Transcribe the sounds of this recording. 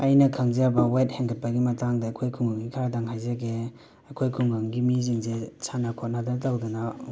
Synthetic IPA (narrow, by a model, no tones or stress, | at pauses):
ɐjnɐkʰɐŋzabɐwajt̚heŋkʰɐt̚pɐɡimɐtaŋdɐːkʰojkʰuŋɡaŋːikʰaɾadaŋɦajzɐɡe | ɐkʰojkʰuŋɡaŋɡimiziŋzesanɐkʰot̚nadɐtɐwdunɐ